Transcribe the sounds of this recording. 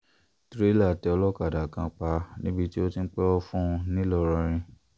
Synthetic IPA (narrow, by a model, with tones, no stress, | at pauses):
tɾe˦la˦˨tɛ˧ɔ˧lɔ˦ka˨da˨kã˧k͡pa˧nĩ˦bi˧ti˦o˦tĩ˧n̩˦k͡pɛ˦ɔ˦fũ˦˧nĩ˦lɔ˧˨ɾã˧ɾ̃ĩ˧